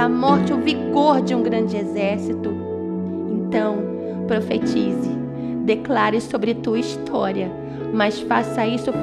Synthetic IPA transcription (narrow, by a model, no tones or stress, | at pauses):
ɐmɔɾt͡ʃɪʊviɡoɾd͡ʒɪũɡɾɐ̃d͡ʒɪezɛɾsit̪ʊ | ẽnt̪ɐ̃w̃ | pɾofet͡ʃizɪ | d̪eklaɾɪsobɾɪt̪uɐist̪ʰɔɾiɐ | mɐsfasɐisʊ